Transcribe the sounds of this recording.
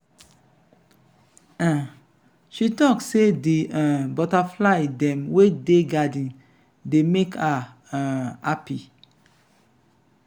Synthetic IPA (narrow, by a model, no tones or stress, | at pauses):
ã | ʃitɔksediãbɔtaflaɪdɛ̃mwedeɡadĩn | demekʰã | api